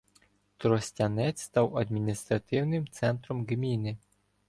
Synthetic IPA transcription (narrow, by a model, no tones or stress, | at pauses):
t̪ɾɔsʲtʲɐnɛt͡sʲst̪ɑwɐd̪ʲmʲinʲist̪ɾɐt̪ɪwnɪmt̪sɛnt̪ɾɔmɡmʲinɪ